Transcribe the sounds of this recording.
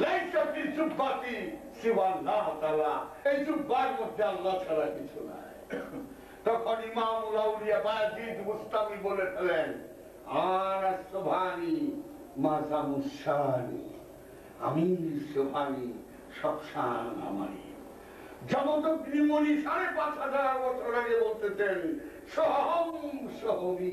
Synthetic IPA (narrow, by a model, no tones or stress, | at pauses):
lejsot̪it͡ʃuʈʰbat̪i | siwanːaɦt̪alaejt͡ʃuʈbaeɾmod̪ʱːealːat͡ʃʰalakit͡ɕʰuna̰e | t̪ɔkʰonimamulauɾijabajad͡ʑit̪bust̪amibolet̪ʰelen | anasobʱani | mazamuʃanḭ | a̰misobʱani | ʃɔbʃana̰ma̰ɾḭ | d͡ʑɔmod̪oknimoniʃaɾepat͡ɕɦad͡ʑaɾbɔt͡ɕʰoɾaɡebolt̪et͡ɕen | ʃɔɦɦomʃɔɦomi